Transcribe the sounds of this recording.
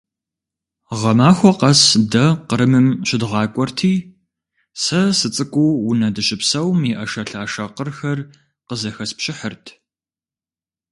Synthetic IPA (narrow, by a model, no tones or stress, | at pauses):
ʁɐmaːxʷɔqɐsdɐqəɾɨmɨmɕɪdʁɑːkʷʼɔrtʰiː | sɐsɨt͡sʼɨkʷʼuːwʊnɐdɨɕʼɪpsɐwmiʔɐʃɐɬaːʃɐqərxɐr | qəzɐxɐspɕʼɪħərtʰ